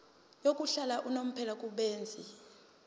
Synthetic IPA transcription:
jokʼuɬalaʔunom̩pʰɛlakʼuɓeːnd͡zʱi

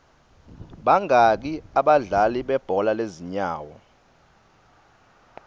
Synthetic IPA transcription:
ɓaŋak̬iaɓaɮaliɓɛb̥ʱɔlaleziɲaːwɔ

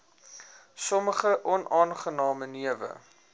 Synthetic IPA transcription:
sɔməχəʔɔnʔɑːnχənɑːməniəvə̰

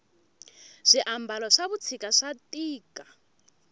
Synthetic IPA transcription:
ʂiʔambalɔʂaβut͡sʰikʼaʂatʼiːkʼa

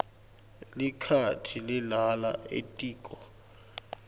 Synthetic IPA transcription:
likʰatʰilɪlala̰ḛtʼiːkʼɔ

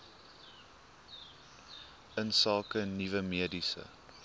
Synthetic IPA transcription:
ənsɑlˠkənivəmiədisə̰

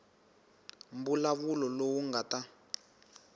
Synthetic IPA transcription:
mbulaβulɔlowuŋɡata

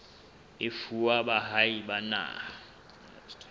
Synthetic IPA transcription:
ɪfuwaɓaɦaiɓana̰

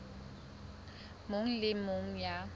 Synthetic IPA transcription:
mʊŋ̩lɪmʊŋ̩ja

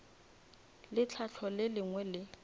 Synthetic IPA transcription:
lɪt͡ɬʰat͡ɬʰɔlɪlɪŋwɛlɪ

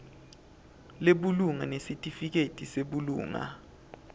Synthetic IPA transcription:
leɓuluŋa̰nesitʼifik̬etʼiseɓulṵːŋa̰

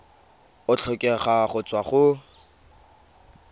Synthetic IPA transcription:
ʊt͡ɬʰɔkʼɛχaχʊt͡swaχʊ

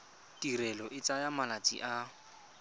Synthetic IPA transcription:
tiɾɛlɔʔɪt͡sajamalat͡sʼḭʔa

